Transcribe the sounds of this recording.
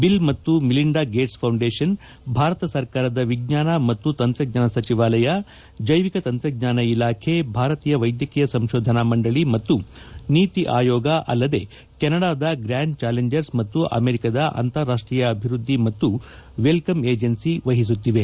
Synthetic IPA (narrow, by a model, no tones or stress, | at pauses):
bilmɐt̪ːumiliɳɖaːɡeːʈspʰɐwɳɖeːʂɐn | bʱaːɾɐt̪ɐsɐɾkaːɾɐd̪ɐʋiɡɲaːnɐmɐt̪ːut̪ɐnt̪ɾɐɡ̚ɲaːnɐsɐt͡ʃiʋaːlɐjɐ | d͡ʒɐjʋikɐt̪ɐnt̪ɾɐɡ̚ɲaːnɐilaːkʰe̞bʱaːɾɐt̪iːjɐʋɐjd̪jɐkijɐsɐmʃoːd̪ʱɐnɐmɐɳɖɐɭimɐt̪ːuniːt̪iʔaːjɔːɡɐʔɐ̰lːɐd̪e̞̰ | kɛnɐɽaːd̪ɐɡɾaːɳɖt͡ʃaːleɲd͡ʒɐɾsmɐt̪ːuʔɐ̰meːɾikɐd̪ɐʔɐ̰nt̪ɐɾːaːʂʈɾiːjɐːbʱiɾud̪ʱːimɐt̪ːuʋelkɐmeːd͡ʒɐnsiʋɐɦis̬ut̪ːiʋe̞